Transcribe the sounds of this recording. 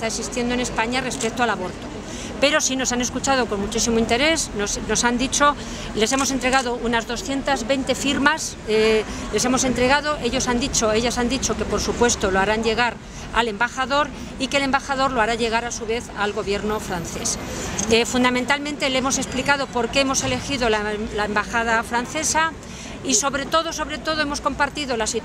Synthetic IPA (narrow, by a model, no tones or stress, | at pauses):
est̪aeksist̪je̞nd̪oene̞spaɲare̞spe̞k̚t̪oalaβo̞ɾt̪o̞ | pe̞ɾo̞sino̞saneskut͡ʃað̞o̞ko̞nmut͡ʃisimoint̪e̞ɾe̞snosno̞sand̪it͡ʃo̞ | le̞se̞mo̞se̞nt̪ɾe̞ɣaðo̞unazðo̞sθje̞nt̪azβe̞jnt̪e̞fiɾmas | le̞se̞mo̞se̞nt̪ɾe̞ɣ̞aðoʔe̞ʎosand̪it͡ʃo̞e̞ʎasand̪it͡ʃo̞ke̞po̞ɾsupwe̞st̪o̞loaɾanʝe̞ɣ̞aɾ | a̰le̞mbaxaðo̞ɾ | ike̞le̞mbaxaðo̞ɾloaɾaʎe̞ɣ̞aɾasuβe̞θalɣo̞βje̞ɾno̞fɾanθe̞̰sefund̪amẽnt̪almẽnt̪eleemo̞se̞splikað̞o̞po̞ɾke̞emo̞se̞le̞xiðo̞lalaembaxað̞afɾanθe̞sa | iso̞βɾe̞t̪o̞ðo̞so̞βɾe̞t̪o̞ðo̞emo̞sko̞mpaɾt̪iðo̞lasi